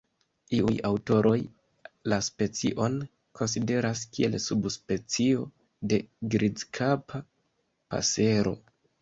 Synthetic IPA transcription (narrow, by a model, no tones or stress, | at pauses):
iujawto̞ɾʔo̞j | laspe̞t͡sḭʔo̞n | kʰo̞ns̬ide̞ɾaskie̞lsubspe̞t͡sio̞ | de̞ɡɾid͡zkʰapʰa | pa̰se̞ɾo̞̰